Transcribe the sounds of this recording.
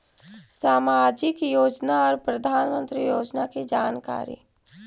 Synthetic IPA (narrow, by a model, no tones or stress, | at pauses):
saːmaːd͡ʒɪkjoːd͡ʒnaɔːɾpɾɐd̪ʱaːnmə̃nt̪ɾijoːd͡ʒnaked͡ʒaːnka̰ːɾḭ